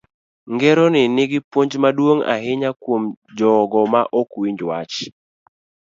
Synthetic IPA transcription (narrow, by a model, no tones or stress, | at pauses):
ŋɡɛɾonɪnɪɡɪpwoɲd͡ʒmadwoŋa̰ɦɪɲakwomd͡ʒɔɡɔmaʔokwiɲd͡ʒwat͡ʃ